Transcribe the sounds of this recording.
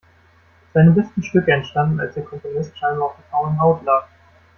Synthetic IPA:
z̥aɪnəlɛstn̩ʃtʏkəɛntʃtandn̩a̰lsd̥eːɐkʰɔmponɪstʃaɪnbɐaʊfd̥eɐfʁ̥aʊənɦaʊtlaːk̚

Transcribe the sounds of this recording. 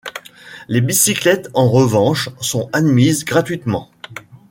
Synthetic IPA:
lebisiklɛt̪ɑ̃ʁəvɑ̃ʃsɔ̃ad̪mizɡʁat̪ɥit̪mɑ̃

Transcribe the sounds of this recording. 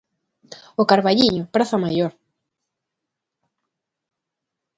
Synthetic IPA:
ʊkaɾβaʎiɲʊpɾaθamajoɾ

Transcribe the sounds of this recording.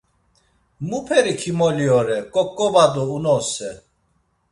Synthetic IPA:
mupʰɛɾikʰimɔliɔɾɛkʼɔkʼːɔvad̪ɔunɔsɛ

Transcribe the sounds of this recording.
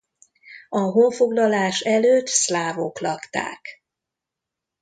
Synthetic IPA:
ɒɦoɱfo̞ɡlɒlaːʃɛløːt̪slaːvoklɒkt̪a̰ːk

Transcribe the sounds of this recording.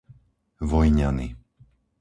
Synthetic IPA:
ʋɔjɲani

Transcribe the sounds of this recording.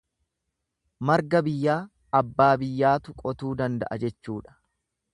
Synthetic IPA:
mɐɾɡɐbɪjːaː | ɐbːaːbɪjːaːt̪ʊkʼɔt̪uːd̪ɐnd̪ɐ̰ʔɐd͡ʒɛt͡ʃːuːᶑɐ̥

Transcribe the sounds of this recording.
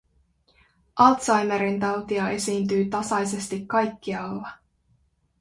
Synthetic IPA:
ʔɑlt̪sɑjmeɾint̪ɑwt̪iɑe̞siːnt̪yːt̪ɑsɑjse̞st̪ikːɑjkːiɑlːɑ

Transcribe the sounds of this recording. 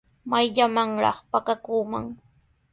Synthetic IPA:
majʎamaŋɾɑ̰χpakakuːma̰ŋ

